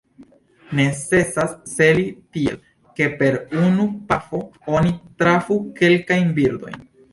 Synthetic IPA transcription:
ne̞t͡se̞sasːe̞litiḛ | ke̞pe̞ɾunupafo̞onitɾafuke̞lkajnbiɾd̪o̞̰jn

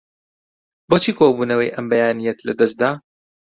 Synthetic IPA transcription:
boːt͡ʃʰiːkʰobuːnɐwɐjʔɐmbɐjaːnijɛt̪lɐd̪ɐsd̪aː

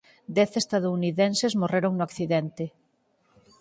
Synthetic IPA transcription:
d̪ɛθest̪aðouniðensezmoreɾoŋnʊakθiðɛnt̪ɪ

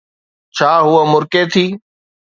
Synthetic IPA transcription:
t͡ɕʰaːɦʊəmʊɾket̪ʰiː

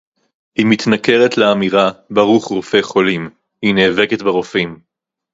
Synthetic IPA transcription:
himit̪nake̞ʁetleamiʁabaʁuχʁofe̞χo̞lim | hineːveket̪beʁofim

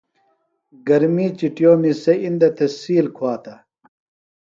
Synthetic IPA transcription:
ɡɐɾmiːt͡ɕiʈjoːmisɐind̪ɐt̪ɐsiːlkʰwaːt̪ɐ

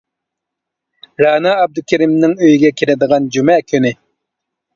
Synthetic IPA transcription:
ɾɑːnɑːb̚d̪ukʲʰæɾimnɪŋøjiɡʲɛkʲʰiɾɪd̪əʁɑnd͡ʒumɛkʲʰynɪ

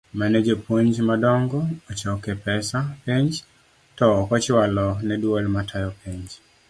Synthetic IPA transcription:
mɛnɛd͡ʒepwoɲd͡ʒmadɔŋɡɔːt͡ʃɔkepɛsapeɲd͡ʒ | tɔːkɔt͡ʃwalɔnɛdwɔlmatʰajɔpʰeɲd͡ʒ

